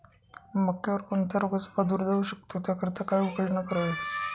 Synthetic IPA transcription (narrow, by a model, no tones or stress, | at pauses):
məkʰːjaʋəɾkoɳt̪jaɾoɡasə̥pad̪uːɾd̪euɕək̚t̪ot̪jakəɾt̪akajukəɽɳəkəɾəʋe